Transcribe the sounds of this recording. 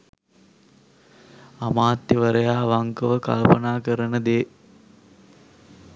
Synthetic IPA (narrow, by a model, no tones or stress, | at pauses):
amaːt̪jəʋəɾəjaːʋaŋkəʋəka̰lpənaːkəɾənəd̪eː